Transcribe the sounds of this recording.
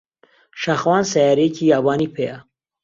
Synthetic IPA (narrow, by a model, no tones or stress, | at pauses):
ʃaxwɑːnsajɑːɾekʰiabɑːnipʰeja